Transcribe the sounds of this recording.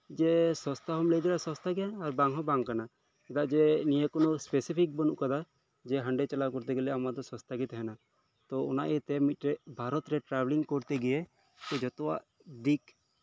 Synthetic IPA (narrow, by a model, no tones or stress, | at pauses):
d͡ʒɛsɔ̃st̪aɦɔmlɛd͡ʒ̪ɛlasɔ̃st̪aɡɛjaːɾbaŋɦɔbaŋkana | ɛd̪aʔd͡ʒɛniekɔnɔspesipʰik̚bɔnṵʔkad̪a | d͡ʒɛɦaɳɖɛt͡ʃɛlakɔɾt̪ɛɡɛlɛamad̪ɔsɔ̃st̪aɡit̪ɦɛna | t̪ɔɔna̰ʔɛt̪ɛmit̪̚ɾɛbʱaɾɔt̪ɾɛʈɾabliŋkɔɾt̪ɛɡɛɛ | t̪ɛd͡ʒɔt̪ɔwa̰ʔ | d̪ik